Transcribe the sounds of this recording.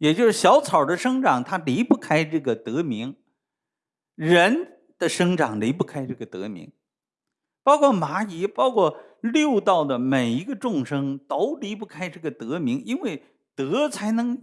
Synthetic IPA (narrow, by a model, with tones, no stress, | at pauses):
jɛ˨˩t͡ɕjo˥˧ʂɻ̩˥˩ɕjɑ˧˥ʊt͡sʰɑ˨˩ʊd̪ə˦ʂɤ˥ŋʈ͡ʂɑ˨˩ŋt̪ʰa˥li˧˥pu˥˩kʰa˥ɪʈ͡ʂɤ˥˩ɡə˩t̪ɤ˧˥mi˧˥ŋ | ɻə˧˥n | d̪̥ə˧ʂɤ˥ŋʈ͡ʂɑ˨˩ŋli˧˥pu˥˩kʰa˥ɪʈ͡ʂɤ˥˩ɡə˩t̪ɤ̰˧˥mḭ˧˥ŋ | pɑ˥ʊkʰwɔ˥˩ma˧˥i˧˥pɑ˥ʊkʰwɔ˥˩ | ljo˥˧ʊt̪ɑ˥˩ʊd̪ə˩me˨˩ɪi˧˥ɡə˧ʈ͡ʂʊ˥˩ŋʂɤ˥ŋt̪o˧˥ʊli˧˥p̬u˥˩kʰa˥ɪʈ͡ʂɤ˥˩ɡə˩t̪ɤ˧˥mi˧˥ŋi˥nwe˥˩ɪ | t̪ɤ˧˥t͡sʰa˧˥ɪnɤ˧˥ŋ